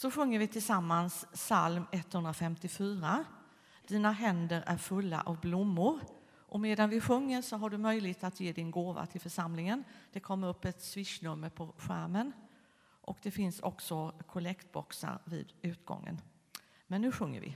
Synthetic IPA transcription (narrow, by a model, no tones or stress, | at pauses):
sɔɧɵŋːəɾvɪt̪ʰɪlsamːansːalmɛt̪ːhɵnd̪ɾafɛmt̪ɪfyːɾa | d̪̥iːnaɦɛnd̪əɾʔæɾfɵlːa̰ʔɔvblʊmːʊɾ | ʔɔmeːd̪anvɪɧɵŋːəɾʂɔɦaɖɵmœjlɪɡ̚t̪at̪jeːd̪ɪnɡoːva̰t̪ʰɪlfœʂamlɪŋənd̪̥ɛkʰɔmːəɾɵpːɛt̪svɪʂnɵmːəɾpʰɔɧæɾmən | ʔɔkd̪ɛfɪnsɔ̰ksɔkʰʊlɛkt̪̚bɔ̰ksa̰ɾvɪ̰ːd̪ʉ̟ːt̪ɡɔ̰ŋːə̰n | mɛnːʉ̟ːɧɵŋːə̰ɾvɪ̰